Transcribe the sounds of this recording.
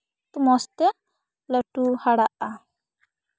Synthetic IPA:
t̪umɔst̪ɛ | lɔʈuhaɽaʔa

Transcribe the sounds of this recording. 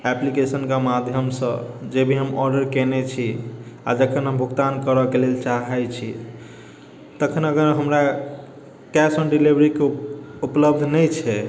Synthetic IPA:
ɛplikesənkamad̪ʱjəmsə̃d͡ʒebʱiɦəmɔɾɖəɾkenet͡ʃʰia̰d͡ʒəkʰənɦəmbʱukt̪ankəɾɔkelelt͡ʃaɦɛt͡ʃʰi | t̪əkʰənəɡəɾɦəmɾa | kɛsənɖilibɾikeupləbd̪ʱnɛjt͡ʃʰɛ

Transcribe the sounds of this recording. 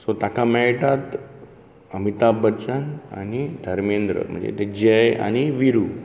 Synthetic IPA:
sot̪akamɛjʈat̪ | əmit̪abət͡ɕəna̰ñid̪ʱəɾmend̪ɾə̰m̤ə̰ɳd͡zḛt̪ed͡ʑəja̰ɽ̃iʋiɾu

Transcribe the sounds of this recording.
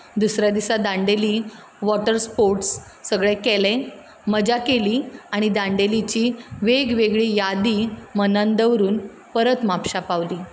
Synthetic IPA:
d̪usɾjad̪isad̪ãɳɖeliː | ʋɔʈəɾspoɾʈsː | əɡɭekɛlẽ | məd͡ʑakeliːaɽ̃id̪ãɳɖelit͡ɕiːʋeɡʋeɡɭiːjad̪iːmənãnd̪əʋɾuːn | pəɾət̪mapɕapaʋliː

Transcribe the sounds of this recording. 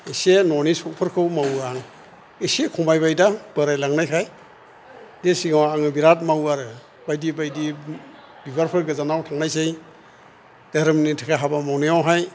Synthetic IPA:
esenɔnisɔk̚pʰɯɾkʰɯwmawaŋ | isekʰɔmajbajdabɯɾajlaŋnajkʰaj | desiŋawaŋɯbiɾat̚mawaɾɯ | bajdibajdi | bibaɾpʰɯɾɡɯzanawtʰaŋnajsej | d̥eɾɯmnitʰakʰaɦabamawnijawɦaj

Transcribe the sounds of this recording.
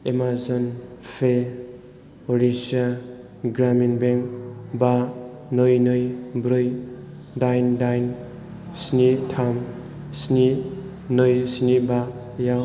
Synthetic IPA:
emazɔnpʰe | oɾisa | ɡɾaminbeŋk̚banɯjnɯjbɾɯj | dajndajn | snitʰam | sni | nɯjsniba | jaw

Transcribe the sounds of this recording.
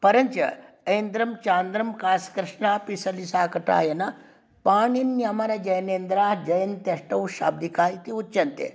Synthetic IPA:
pɐɾɐɲt͡ʃɐ̰ | eːnd̪ɾɐmt͡ʃaːnd̪ɾɐmkaːskɾɨʂɳaːpisɐlisaːkɐʈa̰ːjɐnɐ | paːɳinːjɐmɐɾɐd͡ʒɐjɐneːnd̪ɾaːhd͡ʒɐjɐnt̪ɐʂʈɐwʃa̰ːb̚d̪ikaːit̪iut͡ʃːt͡ʃɐnt̪ḛ

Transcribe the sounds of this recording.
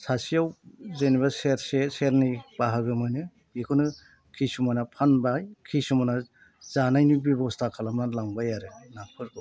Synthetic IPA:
sasijawzeniβaseɾseseɾnib̥aɦaɡɯmɯjnɯ | ikʰɔnɯ | kʰisumanapʰanbajkʰisumana | zanajnibibɔstʰakʰalamnalaŋbajaɾɯnapʰɯɾkɯ

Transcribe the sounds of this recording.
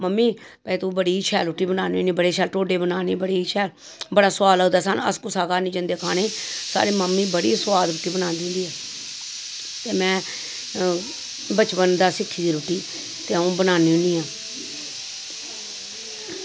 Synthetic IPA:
məmːiː | pɛːt̪uːbəɽiːt͡ʃʰɛːlʊʈːiːbənaːniːũːniːbəɽeːt͡ʃʰɛːlʈoːɖeːbənaːneːbəɽiːt͡ʃʰɛːl | bəɽaːsaːləd̪aːsənə̰skʊsaːɡaːnĩːd͡ʒənd̪eːkʰaːneːsa̰ːɾiːməmːiːbəɽiːsʊwaːd̪ʊʈiːbənaːnd̪ɪ̃ːnd̪iːɛː | t̪eːmɛ̃ː | bət͡ʃbənd̪aːsɪkʰːiːd̪iːɾʊʈːiː | t̪eːõːbənaːniːʊ̃niːãː

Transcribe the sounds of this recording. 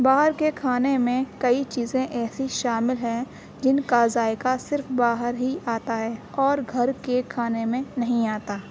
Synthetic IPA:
baːɦəɾkekʰaːnemẽkɐit͡ʃiːzẽʔɛːsiʃaːmɪlɦɛ̃ | d͡ʒɪnkazaːɪkasɪɾfbaːɦəɾɦiaːt̪aɦɛːɔːɾɡʱɐɾkekʰaːnemẽnɐɦĩaːt̪aː

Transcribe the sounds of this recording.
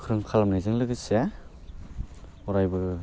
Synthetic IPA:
kʰɯɾɯŋkʰalamnajzɯŋlɯɡɯsa | ɔɾajbɯɡɯ

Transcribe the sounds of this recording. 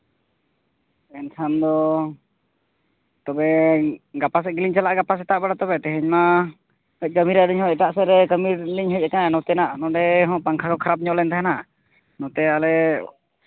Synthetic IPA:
ɛnt̪ʰand̪ɔ | t̪ɔbɛɡapas̬ɛɡiliɲt͡ʃalaʔɡapas̬ɛt̪aʔbaɽat̪ɔbɛt̪ɛɦɛɲma | həc̚ˀkəmiɾaʔdiɲhɔ̃ɛt̪aʔsɛɾɛkəmiɾɖiɲɦəc̚ɛkananɔt̪ɛnaʔnɔɖɛɦɔ̃paŋkʰakɔkʰaɾap̬̚ɲɔʔlɛnt̪ʰaɦɛna | nɔt̪ɛalɛ

